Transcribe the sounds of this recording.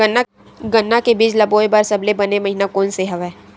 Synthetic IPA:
ənːa | ɡənːakebiːd͡ʒlɐboːebaɾsɐblebɐnemɐɦinakoːnseɦɐʋɛː

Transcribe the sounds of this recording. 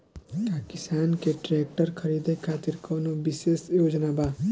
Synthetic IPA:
pakist̪ankeʈɾek̚ʈʌɾkʰʌɾid̪ekʰat̪iɾkʌnubisesjod͡ʒnaba

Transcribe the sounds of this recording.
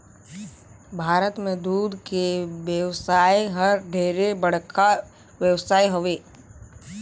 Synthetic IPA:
bʱaːɾət̪mẽd̪uːd̪keʋjəʋsaːiɦəɾɖʱeːɾebəɽ̤kʰa | ʋjəʋsaːiɦoʋeː

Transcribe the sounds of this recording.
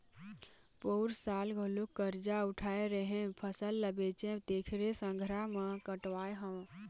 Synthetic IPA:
poːɾsaːlɡʱolukːəɾd͡ʒaʊʈʰaːeɾəɦẽpʰəsəlːəbet͡ʃẽt̪eːkʰɾesə̃ŋɡʱɾamẽkəʈwaːeɦə̃

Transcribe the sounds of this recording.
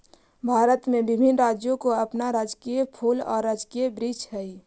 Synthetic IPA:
bʱaːɾət̪mẽbɪbʱɪnɾaːd͡ʒjõkoɐpnaɾaːd͡ʒkijepʰuːlɔ̰ːɾːaːd͡ʒkiebɾiːt͡ʃɦɛi

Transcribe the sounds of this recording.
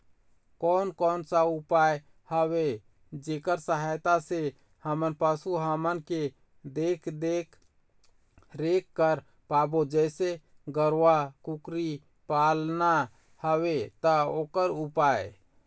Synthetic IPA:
kɔːnkɔːnsaupaj | həwe | d͡ʒekəɾsəɦajt̪ase | həmənpəsuɦəmənke | d̪ekʰd̪ekʰ | ɾekːəɾ | pabod͡ʒɛɪse | ɡəɾwakukɾi | palna | həwet̪əokəɾupae

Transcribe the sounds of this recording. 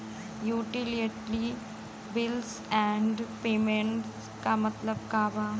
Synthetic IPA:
juːʈɪliəʈli | bɪls | ɛ̃ːɳɖpeːmẽɳʈs | kamɐt̪ləb̚kaːbaː

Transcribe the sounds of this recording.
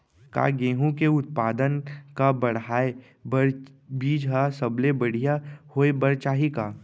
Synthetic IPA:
ka̰ɡeːɦũkeʊt̪̚paːd̪ənkabəɽ̤aːe | bbiːd͡ʒɦasəblebəɽ̤ijahoːebəɾt͡ʃaːɦikaː

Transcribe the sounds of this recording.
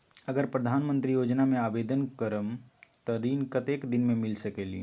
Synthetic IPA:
əɡəɾpɾəd̪ʱaːnmə̃nt̪ɾijoːd͡ʒnamẽaːbeːd̪ənkəɾəmt̪ɔɾiːnkət̪eːkd̪ɪnmẽmɪlsəkelḭː

